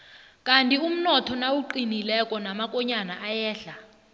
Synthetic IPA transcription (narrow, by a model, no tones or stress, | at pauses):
kʼantʼium̩nɔtʰɔnawuǃinilɛkʼɔnamakʼɔɲanaʔajɛːɬa